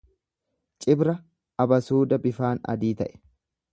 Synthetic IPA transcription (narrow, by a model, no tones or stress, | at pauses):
t͡ʃʼɪbɾɐ | ɐbɐsuːd̪ɐbɪfaːnɐ̰d̪iːt̪ɐ̰ʔɛ̥